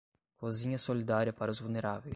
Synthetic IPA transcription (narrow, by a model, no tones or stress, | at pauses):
kozĩɲɐsolid̪aɾiɐpaɾɐʊzvulneɾavejs